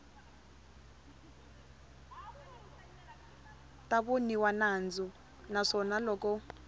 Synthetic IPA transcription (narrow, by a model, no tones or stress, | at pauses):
tʼaβuniwanand͡zu | naʂɔnalɔkɔ